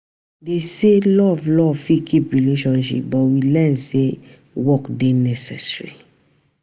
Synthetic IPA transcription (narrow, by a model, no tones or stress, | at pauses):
deselɔvlɔvfikʰipɹileʃɔ̃nʃḭp̚bɔtwilɛ̃nse | wɔkdenɛsɛsɹḭ